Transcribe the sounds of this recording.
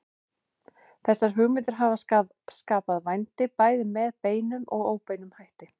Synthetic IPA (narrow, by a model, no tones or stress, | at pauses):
θɛsːaɾ̥ɦʏɣmɪt̪̬ʏɾ̥ɦaːvaa | skaːpaðvajnt̪ɪpaːjðɪmɛðpeːjnʏmɔ̰ɣoːwpejnʏmhajht̪ɪ